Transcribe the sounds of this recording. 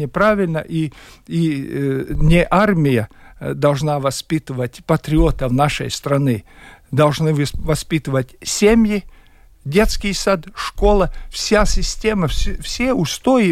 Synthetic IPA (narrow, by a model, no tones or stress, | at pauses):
nʲɪpɾavʲɪlʲnə̰ʔii | nʲɪʔarmʲɪjəd̪ɐlˠʐnavɐspʲit̪ɨvətʲpɐt̪ɾʲɪot̪əvnaʂə̰jst̪ɾɐnɨd̪ɐlˠʐnɨvɐspʲit̪ɨvətʲsʲemʲjɪ | dʲet̪skʲɪjsad̪ʂkolˠəfsʲasʲɪsʲtʲeməfsʲeʊst̪ojɪ